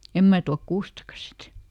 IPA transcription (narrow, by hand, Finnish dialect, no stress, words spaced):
em mæː tuɑk kuːstɑkɑ sit